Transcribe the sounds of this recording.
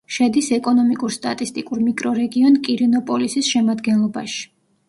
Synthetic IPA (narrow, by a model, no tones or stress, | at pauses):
ʃɛd̪isɛkʼɔnɔmikʼuɾst̪ʼat̪ʼist̪ʼikʼuɾmikʼɾɔɾɛɡiɔnkʼiɾɛnɔpʼɔlisisʃɛmad̪ɡɛnlˠɔbaʃi̥